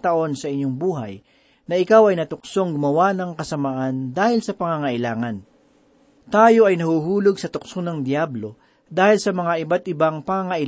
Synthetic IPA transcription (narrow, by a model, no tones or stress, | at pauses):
t̪ɐʔo̞nsɐʔɪɲːoŋbuːɦɐ̰j | nɐʔɪkawɐjnɐt̪ʊkso̞ŋɡʊmɐwanɐŋkɐsɐmaʔand̪aːhɪlsɐpɐŋaŋɐʔɪlaːŋɐn | t̪aːjo̞ʔɐjnɐhuɦuːloɡsɐt̪ʊk̚sonɐŋd̪jablo̞ | d̪aːhɪlsɐmɐŋaʔɪbat̪ʔɪbaŋpɐŋaŋɐʔɪ